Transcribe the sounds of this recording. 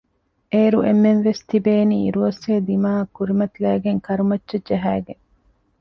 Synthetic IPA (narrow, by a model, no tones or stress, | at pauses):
ʔeːɾuʔemːenʋest̪ibeːniːḭɾuɐseːd̪imaːɐkːuɾimɐt̪ilæːɡeŋkɐɾumɐtːʃɐd͡ʒɐɦæːɡeŋ